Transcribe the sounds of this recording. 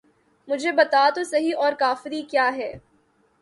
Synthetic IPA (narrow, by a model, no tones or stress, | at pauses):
mʊd͡ʒʱebɐt̪at̪osɐɦiʔɔːɾkaːfɪɾikjaːɦɛː